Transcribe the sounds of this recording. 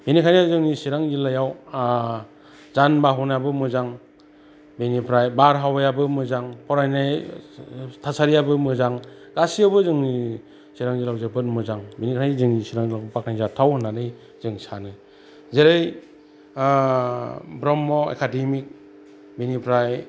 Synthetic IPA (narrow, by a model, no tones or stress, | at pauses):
benikʰanazɯŋnisiɾaŋzilajaw | zanbaɦunjabɯmɯzaŋ | benipʰɾajbaɾɦawajabɯmɯzaŋpɔɾajnaj | tʰasaɾijabɯmɯzaŋ | ɡ̥asijabɯzɯŋni | siɾaŋzilawzɯbɯtmɯzaŋbenikʰanajzɯŋnisiɾaŋlakbɯpak̚najzatʰawɯnanɯj | zɯŋsanɯ | zeɾɯj | bɾɔmːɔḛkʰademik̚ | benipʰɾaj